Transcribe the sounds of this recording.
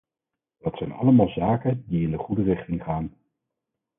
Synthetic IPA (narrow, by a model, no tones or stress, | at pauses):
dɑtsɛjnɑ̰ləmaːlˠzaːkəndiɪndəχudərɪχtɪŋχaːn